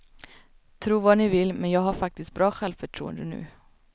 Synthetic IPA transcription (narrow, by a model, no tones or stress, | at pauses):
t̪ʰɾuːvɑnɪvɪlːmɛnjɑːɡɦaɾfak̚t̪ɪst̪̚bɾɑːɧɛlvfœʈʰɾṵːə̰nd̪ənʉ̟̰ː